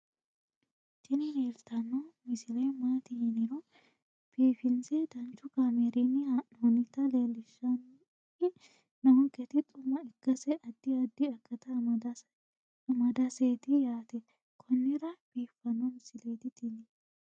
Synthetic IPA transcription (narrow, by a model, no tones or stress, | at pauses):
t͡ʃɪnɪneːlt̪ɐnːomɪsɪlɐjmaːt̪ɪhɪnɪɾɔ | b̥iːfɪnsɛd̪̥ɐnt͡ʃːʊkameɾinːɪnɔnɪt̪ːɐleːlːɪʃːɐn | ɪ | nɐwɔkːɛt̪ɪt̪ʼʊmɐɪkːɐsɛʔɐd̪ːɪɐd̪ːɪɐkːɐt̪ɐɐd̪ | mɐd̪ɐset̪ɪjaːt̪ɛ | kʰɔnːɪɾɐbiːfːɐnɔmɪsɪlejt̪ɪt̪ɪnɪ